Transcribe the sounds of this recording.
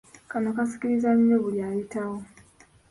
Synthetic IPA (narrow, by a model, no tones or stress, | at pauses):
kanɔkasi̥kilizaɲijɔβulaitaɔ